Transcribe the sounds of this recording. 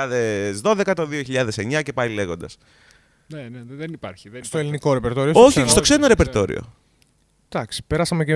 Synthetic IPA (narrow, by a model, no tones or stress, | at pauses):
ɐðezðo̞ðe̞kɐt̪o̞ðioçiʎɐðe̞se̞ɲɐce̞pɐile̞ɣo̞nd̪ɐs | neneðenipɐɾçist̪oeliniko̞ɾepeɾt̪o̞ɾioso̞çist̪o̞kse̞ɾenɐɾe̞peɾt̪o̞ɾḭo̞̰ | d̪̥ɐksi̥peɾɐsɐmece